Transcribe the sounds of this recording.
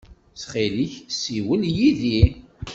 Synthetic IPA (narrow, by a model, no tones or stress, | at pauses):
sχeliçsiwəljiði